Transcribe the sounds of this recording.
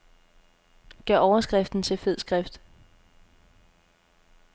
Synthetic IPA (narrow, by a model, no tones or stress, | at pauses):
ɡ̥æʔɒʊɐsɡ̥ʁɛfd̥n̩t͡sʰe̝lfe̝ð̰ˠsɡ̥ʁɛfd̥